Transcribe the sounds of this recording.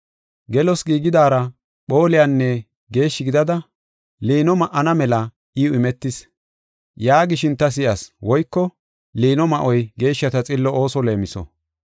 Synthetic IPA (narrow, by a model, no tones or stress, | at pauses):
ɡɛlɔsɡiːɡɪd̪aːɾɐ | ɓo̞ːlɪjanːɛ | ɡe̞ːʃːɪɡɪd̪ɐd̪ɐ | liːnɔmɐʔːɐnɐmɛlɐ | ʔɪʊɪmɛt̪ːɪs | jaːɡɪʃɪnt̪ɐs̬ɪjɐswɔjkːɔ | liːnɔmɐʔɔjɡe̞ːʃːɐt̪ɐt͡sʼɪlːɔo̞ːsɔle̞ːmɪsɔ̰